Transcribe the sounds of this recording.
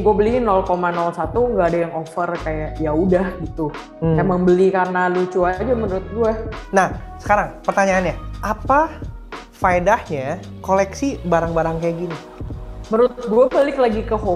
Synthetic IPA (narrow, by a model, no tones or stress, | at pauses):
ɡuabəlinɔlkomanɔlsat̪uŋɡaːdajaŋofərkajaʔjaudahɡit̪u | emaŋbəlikarnalut͡ʃuad͡ʒamənɾʊt̪̚ɡuanahsə̥kaɾaŋpərt̪aɲaːnɲaʔapa | faedahɲa | kolɛksibaɾaŋbaɾaŋkajaɡini | məɾʊt̪t̪̚ɡuabəlɪklaɡikəho